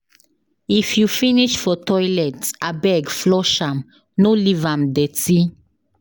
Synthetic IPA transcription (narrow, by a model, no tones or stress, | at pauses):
ifjufiniʃfɔtʰɔjlɛtsabɛɡflɔʃãm | nolivãmd̪ɛt͡si